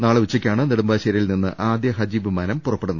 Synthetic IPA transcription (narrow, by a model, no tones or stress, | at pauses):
naːɭɨʋut͡ɕːɐkʲːaːɳɨniɽumbaːɕɐɾilninːɨ̰ʔaːd̪jɐɦɐd͡ʑiʋɨmanɐmpurɐpːeɽunːɐ